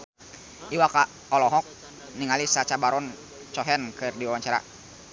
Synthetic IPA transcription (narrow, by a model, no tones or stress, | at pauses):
iwaka | ɔlɔɦɔk̚ | niŋalisat͡ʃabaɾɔn | t͡ʃɔɦɛnkɨrdiwawaɲt͡ʃaɾa̰